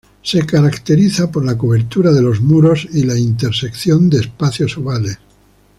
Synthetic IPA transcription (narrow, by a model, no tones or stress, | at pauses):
se̞kaɾakt̪e̞ɾiθapo̞ɾlakoβ̞e̞ɾt̪uɾaðe̞lo̞zmuɾo̞silaint̪eɾse̞kθjo̞nd̪eːspaθjo̞suβales